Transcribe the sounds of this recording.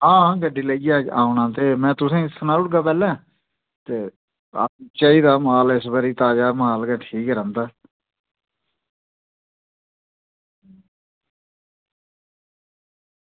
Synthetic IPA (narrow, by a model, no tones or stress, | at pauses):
ɦãːɦãːɡəɖiːləiːaːaːʊnãːt̪eːmɛ̃ːt̪ʊsẽːsənãːʊʈ̚ɡaːpɛːlɛ̃ː | t̪eː | a̰t͡ʃaːiːd̪aːmaːlɪsbəɾiːt̪aːd͡ʒaːmaːlɡɛːʈʰiːkɾãːnd̪aː